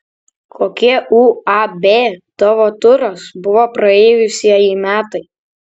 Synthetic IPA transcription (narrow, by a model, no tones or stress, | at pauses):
kʰoːkʲiɛʔuːɐbʲeːt̪ɔʋoːt̪ʊɾosbʊʋoːpɾɐeːjʊsʲiɛjiːmʲæːt̪ɐɪ